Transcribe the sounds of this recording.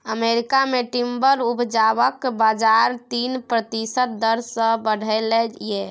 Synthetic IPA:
əmeɾikameʈimbəɾubʱd͡ʒaβəkbad͡ʒaɾt̪inpɾət̪isət̪̚d̪əɾsə̃bəɽ̤ʱəlɛje

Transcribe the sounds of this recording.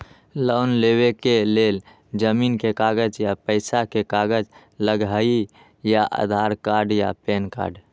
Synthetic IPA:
ləʊnlewekelel | d͡ʒəminkekaɡəd͡ʒjapəɪsakekaɡəd͡ʒ | ləɡɦai | jaʔa̰d̪ʱaɾkaɾɖja̰penka̰ɖ

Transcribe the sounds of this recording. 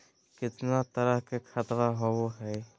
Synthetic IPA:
kɪt̪nat̪əɾəɦkekʰat̪ɾaɦooɦɛː

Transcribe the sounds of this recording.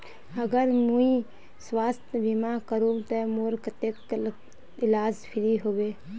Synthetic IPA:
ɐɡəɾmũi | swaːst̪ʰbimakəɾuːt̪emoːɾkət̪ekː | ɪlaːd͡ʒpʰɪɾiɦoːɡeː

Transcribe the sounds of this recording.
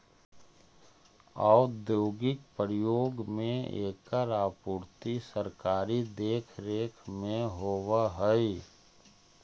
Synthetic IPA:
aːʊd̪joːɡɪk̚pəɾjoːɡmẽḛːkəɾaːpuːɾt̪isəɾkaːɾid̪eːkʰɾeːkʰmẽɦoːwaɦəi

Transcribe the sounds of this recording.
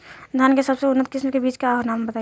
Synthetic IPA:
d̪ʱjankesəbseʊnːət̪̚kɪsmkebiːt͡ʃkeaɦonaːmbət̪a

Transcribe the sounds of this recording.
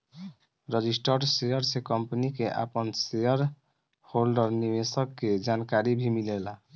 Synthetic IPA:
ɾəd͡ʒisʈəɾsejəɾsekɔmpnikeʔa̰pənsejəɾ | holɖəɾniʋesəkːed͡ʒankaɾibʱimilela

